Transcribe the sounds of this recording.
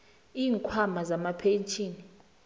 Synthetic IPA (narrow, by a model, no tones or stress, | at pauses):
iːŋkʰwamazamapʰent͡ʃʰʼiːni